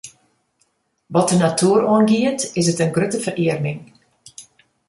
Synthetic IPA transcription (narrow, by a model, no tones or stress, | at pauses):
ʋɔt̚dənatʰuːɾonɡiətɪsətənɡrøtəvərʔiərnɪŋ